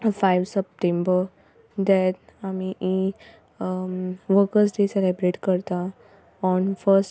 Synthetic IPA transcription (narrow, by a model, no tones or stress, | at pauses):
fajʋsəp̚ʈẽmbəɾ | d̪ɛɾamiʔi | ʋəɾkəsd̪eselibɾeʈkəɾt̪a | ɔnfəɾsʈ